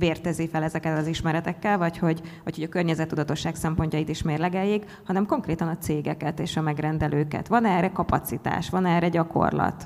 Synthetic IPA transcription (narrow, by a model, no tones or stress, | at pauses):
veːrt̪ɛzifɛlɛzɛkɛllɒziʃmɛɾɛt̪ɛkːɛlvɒcho̞ɟvɒchoɟɒkørɲɛzɛt̪ːud̪ɒt̪o̞ʃːaːksɛmpoɲcɒjit̪iʃmeːrlɛɡɛjiɡ | hɒnɛmko̞ŋkreːt̪ɒnɒt̪seːɡɛkɛt̪eːʃɒmɛɡrɛnd̪ɛlʔøːkɛ̰t̪ʋɒnɛːrɛkɒpɒt̪sit̪a̰ːʃʋɒnɛːrɾɛɟɒko̞̰rlɒ̰t̪